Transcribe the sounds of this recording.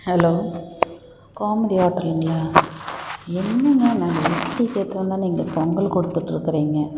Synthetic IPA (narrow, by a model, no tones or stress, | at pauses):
hɛloː | kaːmɐðiaːʈːɾɐlɯŋɡɭaː | ɛnːɐŋɡɐnãːŋɡɐʋɪʈːikeːt̪ːɪɾɐnd̪ãːniːŋɡɐpɔŋɡɐɭkɔɽɯt̪ːɯʈːɯɾɯkːɪɾiːŋɡɐ